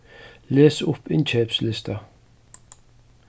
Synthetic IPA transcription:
leːsʊpɪnt͡ʃʰɛːpslɪst̪ɐ

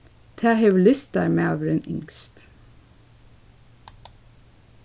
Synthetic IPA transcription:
t̪ʰæːhœʋlɪst̪̚d̪æ̰ːɾmeːɑːʋəɾeːnʔʏ̰ŋst̪

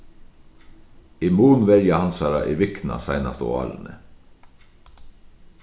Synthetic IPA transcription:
ɪmuːɳ̩ʋɛɾjəhɑnsɑɾɑʔiːʋɪknɑ̰sæɪnɑst̪o̰ːɑ̰ːlnə̰

